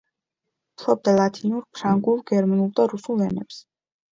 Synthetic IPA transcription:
pʰlˠɔb̚d̪alˠat̪ʰinuɾpʰɾaŋɡulˠɡɛɾmanulˠd̪aɾusulˠɛnɛps

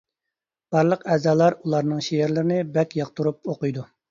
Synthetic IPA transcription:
b̥ɑɾlˠəqɛːzɑːlˠɑɾulˠɑɾnɨŋʃejeɾlɪɾɪnɪbɛkʲjɑq̚t̪ʰuɾup̚oqɨjd̪u

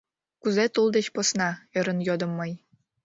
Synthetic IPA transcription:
kuzet̪ulˠd̪eɕposnɑĕɾɤ̆njod̪ɤ̆mːɤj

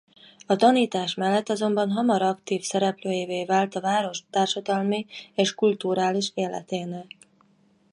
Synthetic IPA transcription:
ɒt̪ɒniːt̪aːʃmɛlːɛt̪ːɒzo̞mbɒnɦɒmɒɾɒkt̪iːfsɛɾɛpløːjeveːvaːlt̪ɒvaːɾo̞ʃt̪aːrʃɒd̪ɒlmieːʃkult̪uɾaːliʃeːlːɛ̰t̪eːnɛl

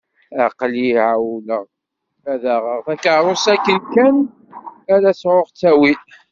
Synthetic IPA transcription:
æqliʕawləʁ | æðæʁəʁθækəɾˤosækːəlkæn | æɾæsʕoʁt͡sːæwi

